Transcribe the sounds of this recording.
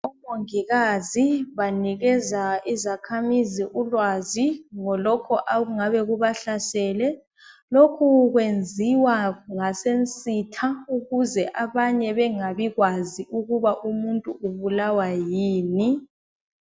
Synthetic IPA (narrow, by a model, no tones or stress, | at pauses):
ɔmoŋiɣaziβaniɣɛzaizakʰamiziʔulwaziŋɔlɔkʰɔʔaɣuŋaβɛɣuβaɬasɛːlɛ | lokʰuɣwend͡zʱiwaŋasent͡sʼitʰauɣuzɛʔaβaɲɛβɛŋaβiɣwaziʔuɣuβaʔumuntʼuʔuβulawajiːni